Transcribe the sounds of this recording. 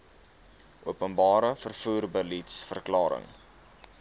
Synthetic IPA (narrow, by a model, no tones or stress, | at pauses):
ʔuəpənbɑːɾəfərfuːrbəlitsfərklɑːɾə̰ŋ